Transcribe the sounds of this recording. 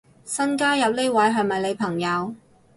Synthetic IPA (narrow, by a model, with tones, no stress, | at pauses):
sɐ˥nkaː˥jɐ˨p̚le˥wɐ˨˥jɦœ˨ŋmɐ˨jle˨˧jpʰɐ˨˩ŋjɐ˨˧w